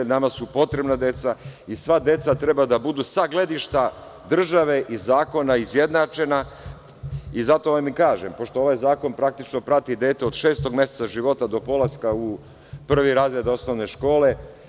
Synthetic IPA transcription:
namasupo̞t̪ɾe̞bnad̪e̞t̪saisʋad̪e̞t̪sat̪ɾe̞bad̪abud̪usaɡle̞d̪iʃt̪a | d̪r̩ʒaʋe̞ʔizaːko̞naizje̞d̪nat͡ʃe̞na | izat̪o̞ʋamikaːʒempo̞ʃt̪o̞o̞ʋajzaːko̞npɾak̚t̪it͡ʃno̞pɾat̪id̪eːt̪eo̞d̪ʃe̞ːst̪o̞ɡmʲje̞set̪saʒiʋo̞t̪ad̪o̞po̞laskau | pr̩ʋiɾaːzɾed̪o̞snoʋne̞ʃko̞ːle̞

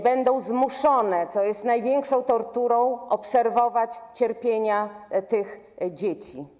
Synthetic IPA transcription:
bɛnd̪ɔ̃w̃zmuʂɔnɛt̪sɔjɛst̪najvʲjeŋkʂɔ̃w̃t̪ɔɾt̪uɾɔ̃w̃ʔɔpsɛɾvɔvat͡ɕt͡ɕɛɾpʲjeɲat̪ɘx | d͡ʑet͡ɕi

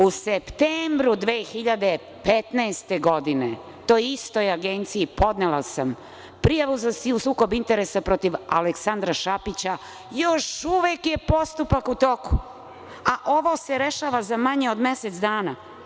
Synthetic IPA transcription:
usept̪embɾud̪ʋeːxiʎad̪e̞ | pet̪naest̪e̞ɡo̞d̪ine | t̪ojist̪o̞jaɡeːnt̪sijipo̞d̪nelasam | pɾijaʋuzasiusuːko̞bint̪eɾesapɾo̞t̪iʋa̰leksand̪ɾaʃapit͡ɕa | jo̞ʃuʋekje̞po̞st̪upakut̪o̞ku̥ | aʔo̞ʋo̞seɾeʃaːʋazamaɲeo̞d̪me̞set̪sd̪aːna

